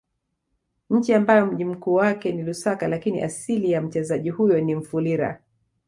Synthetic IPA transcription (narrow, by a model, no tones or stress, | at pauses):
ɲ̩t͡ʃiambajɔm̩ʄim̩kuːwakɛnilusakalakinḭʔa̰silijam̩t͡ʃɛzaʄihujɔnim̩fuliɾa̰